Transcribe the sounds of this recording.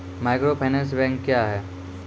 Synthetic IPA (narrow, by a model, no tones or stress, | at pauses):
maɪkɾopʰajnes̬bɛ̃ŋkːjaɦɛː